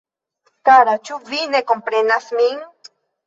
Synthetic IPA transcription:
kaɾat͡ʃuvinekompɾenasmiŋ

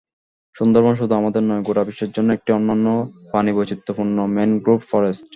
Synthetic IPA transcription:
ʃund̪oɾbonʃ̬ud̪ʱuamad̪eɾnɔeɡoʈabiʃeɾd͡ʑonːoek̚ʈiɔnːanːopanibojt͡ɕit̪ːopuɾnomenɡɾupfɔɾesʈ

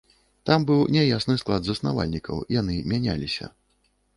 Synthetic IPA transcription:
t̪ambɨwnʲɛjasnɨsklˠad̪zɐsnava̰lʲnʲikɐ̰wjanɨmʲanʲalʲisʲɐ̰

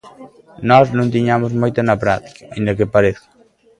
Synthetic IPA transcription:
nɔznõŋt̪̬iɲamʊzmojt̪ɐnɐpɾat̪i̥kḁaĩnd̪ɐkɪpaɾeθko̥

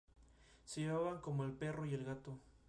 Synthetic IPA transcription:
seʝeβaβaŋko̞mo̞elpe̞ro̞ie̞lɣat̪o

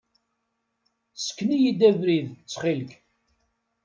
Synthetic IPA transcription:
sə̥kːnijid̪ævɾiðt͡sːχilk

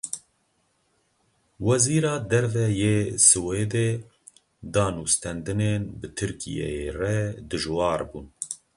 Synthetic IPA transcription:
wɛziːɾɑːd̪ɛɾvɛjeːsɨweːd̪eː | d̪ɑːnust̪ɛnd̪ɨneːnbɨt̪ʰɨɾkḭjɛ̰jerɛd̪ɨʒwɑːɾbuːn

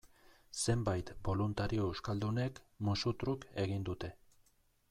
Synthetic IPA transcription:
se̞mbajt̪bo̞lunt̪aɾio̞ewskald̪une̞kmusut̪ɾuke̞ɣ̞ind̪ut̪e̞

